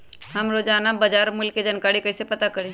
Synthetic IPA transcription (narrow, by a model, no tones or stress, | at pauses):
ɦɐmɾod͡ʒaːnabɐd͡ʒaːɾmʊlkːed͡ʒɐnkaːɾikɐɪsepɐt̪akɐɾẽ